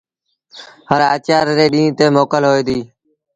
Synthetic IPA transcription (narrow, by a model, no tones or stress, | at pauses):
ɦəɾaːt͡ʃaːɾɾeːɗĩːt̪eːmoːkəlɦoːiːd̪iː